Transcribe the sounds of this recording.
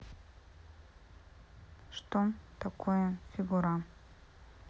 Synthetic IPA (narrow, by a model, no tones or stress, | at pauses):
ʂt̪omt̪ʰakʰojafʲiɡuɾa